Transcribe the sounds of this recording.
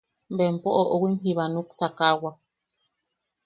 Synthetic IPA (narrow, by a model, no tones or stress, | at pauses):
mbempoʔoʔowimɦiβanuksakawa